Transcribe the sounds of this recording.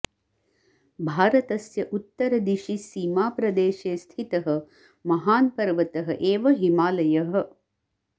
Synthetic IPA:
bʱaːɾɐt̪ɐsjɐʔut̪ːɐɾɐd̪iʃisiːmaːpɾɐd̪eːʃeːst̪ʰit̪ɐɦɐ̆ | mɐɦaːnpɐɾʋɐt̪ɐɦɐʔeːʋɐɦimaːlɐjɐɦɐ̆

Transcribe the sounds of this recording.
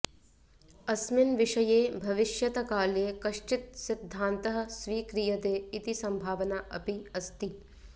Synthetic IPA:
ɐsminʋiʂɐjeːbʱɐʋɪʃjɐt̪ɐkaːleːkɐʃt͡ʃɪt̪̚sid̪ʱːaːnt̪ɐɦɐ̆sʋiːkɾijɐd̪eːit̪isɐmbʱaːʋɐnaʔɐ̰piɐst̪i

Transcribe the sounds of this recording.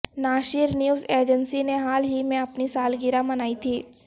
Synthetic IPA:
naːʃɪɾnjuːzeːɾd͡ʒənsineɦaːlɦimẽɐpnisaːlɡɪɾamɐnaːit̪ʰiː

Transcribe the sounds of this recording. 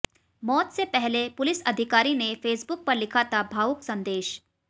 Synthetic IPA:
mɔːt̪sepɛɦlepʊlɪsɐd̪ʱɪkaːɾinefeːsbʊk̚pɐɾlɪkʰat̪ʰabʱaːʊksɐ̃nd̪eːʃ

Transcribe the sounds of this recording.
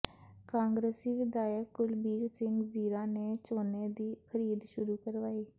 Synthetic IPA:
kãːŋɡɾeːsiːʋɪd̪aːjəkɡʊlbiːɾsɪŋɡziːɾãːneːt͡ʃoːneːd̪iːkʰəɾiːd̪ʃʊɾuːkəɾʋaːiː

